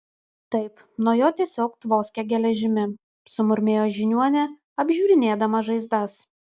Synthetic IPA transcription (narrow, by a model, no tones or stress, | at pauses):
t̪ɐɪp | nuɔjoːt̪ʲiɛsʲoːkt̪ʋoːsʲkʲɛɡʲɛlʲɛʒʲɪmʲɪ | sʊmʊɾʲmʲeːjoːʒʲɪnʲuɔnʲɛ | ɐbʲʒʲuːɾʲɪnʲeːd̪ɐmɐʒɐɪzd̪ɐs